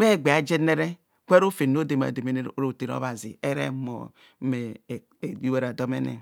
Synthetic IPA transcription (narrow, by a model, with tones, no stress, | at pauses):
me˦˨ɡ͡be˨a˨d͡ʒe˦ne˦ɾe˦ | kʷe˦ɾo˦fe˨n˦o˦de˨ma̰˨de˨me˦n˦˨ɾo˨te˨ɾo̰˦βa˨zḭ˨e˦ɾḛ˦mo̰˨ | me˨ | i˦we˦ɾa˨do˦mḛ˦nḛ˨